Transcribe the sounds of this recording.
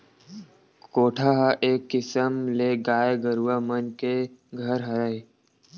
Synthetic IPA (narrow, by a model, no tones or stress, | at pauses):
koːʈʰaːɦaʔeːkːɪsəmleːɡaːeɡəɾuamənkeɡʱəɾɦɐɾəe